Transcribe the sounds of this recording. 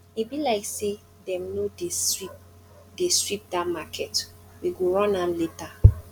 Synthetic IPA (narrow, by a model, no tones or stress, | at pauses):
mebilaɪkse | dɛ̃mnodeip | destɹip̚damakʰɛt | wiɡoɹɔ̃nãnleta